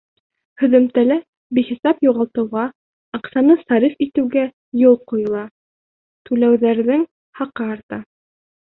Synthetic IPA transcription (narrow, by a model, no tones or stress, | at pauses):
hɵ̆ðɘ̆mt̪ælæ | biχisɑpjuʁɑlˠt̪ɤ̆wʁɑ | ɑqsɑnɤsɑɾifit̪ɘ̆wɡæ | jolˠqujɤ̆lˠɑ | t̪ʉlæwðæɾðɘŋ | hɑqɑːɾt̪ɑ